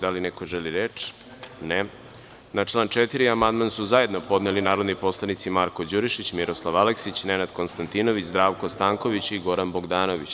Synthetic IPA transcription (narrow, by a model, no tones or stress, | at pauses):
d̪alineko̞ʒeliɾet͡ʂ | ne | nat͡ʂlˠaːnt͡ʃet̪iɾiamand̪mansuzaje̞d̪no̞po̞d̪nelinaːɾo̞d̪nipo̞slˠanit̪simaɾkod͡ʑuɾiʃit͡ɕmiɾo̞slˠaʋaleksit͡ɕnenad̪ko̞nst̪ant̪ino̞ʋit͡ɕzd̪ɾaːʋkost̪aːŋko̞ʋit͡ɕiɡo̞ɾanbo̞ɡd̪aːno̞ʋit͡ɕ